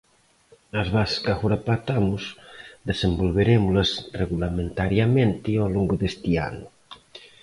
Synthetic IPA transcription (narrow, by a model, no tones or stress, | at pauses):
azβasskaxuɾapat̪amusd̪esembolβeɾemulasreɣulament̪aɾjamẽnt̪ioloŋɡoðest̪ia̰nu